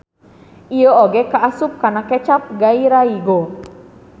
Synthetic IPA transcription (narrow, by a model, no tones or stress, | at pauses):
ʔijooɡekaʔːsʊp̚kanakɛt͡ʃap̚ɡaiɾaiɡo